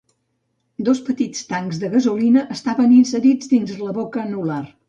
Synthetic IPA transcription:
d̪ospət̪it͡st̪aŋzðəɣəzulinəʔːst̪aβəninsəɾid͡zd̪inzləβokənular

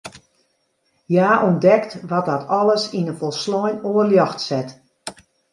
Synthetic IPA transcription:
jaːʔɔndɛktʋɔt̚dɔtʰɔlˠəsinəfɔlˠslɔjnoərljɔxtsɛt

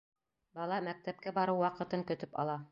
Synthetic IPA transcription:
bɑlˠɑmæk̚t̪æp̚kæbɑɾɤwːɑqɤ̆t̪ɤŋkɵ̆t̪ɵpɑ̰lˠɑ

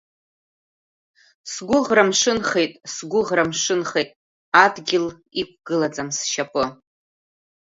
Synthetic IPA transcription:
sɡʷʊʁramʂɨnχe̞jtʼsɡʷʊʁramʂɨnχejtʼ | adɡʲɪl | ikʷʰɡ̥ɨlad͡zʼamsʃapʼɨ

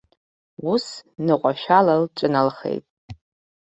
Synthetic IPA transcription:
usnɨqʷʼaʃᶣalalʈ͡ʂʷʼɨnalχḛjtʼ

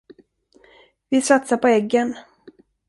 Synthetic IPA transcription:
vɪsat̪sapɔɛɡːən

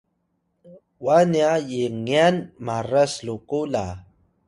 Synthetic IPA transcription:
waniajiŋianmaraslukula̰

